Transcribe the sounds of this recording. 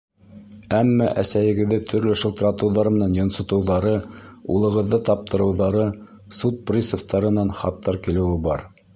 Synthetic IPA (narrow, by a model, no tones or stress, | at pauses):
æmːæʔæsæjɘ̆ɡɘ̆ðːɘt̪ʰɵ̆ɾlɵʃɤ̆lˠt̪ɾɑt̪ɤ̆wðɑɾɤmɘ̆nænjŏnsŏt̪ɤ̆wðɑɾɤṵlˠɤ̆ʁɤ̆ðːɤt̪ɑp̚t̪ɤ̆ɾɤ̆wðɑɾɤ | sut̪̚prʲisŏft̪ɑɾɤ̆nɑnχɑ̰t̪ːɑɾkilɘ̆wɘbɑɾ